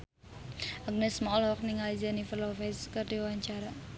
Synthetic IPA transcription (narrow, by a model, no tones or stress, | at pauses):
ʔaɡ̚nɛsmɔlɔk̚nɪŋalizanifərlɔfɛskərd̪iwaɲt͡ʃaɾa